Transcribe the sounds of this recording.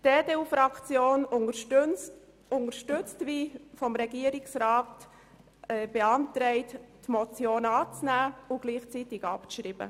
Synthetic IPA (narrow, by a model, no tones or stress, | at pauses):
d̥eːdeːufɾɑkt͡sjoːn | ʊŋəɾʃtʏt͡stʋifɔmɾɛɡiːəɾiksɾɑːt | ɛb̥eɑntɾɛɪttmɔt͡sjoːnɑːt͡snæːʊɡ̥liːχt͡sitɪɡɑpʃɾiːb̥ə̰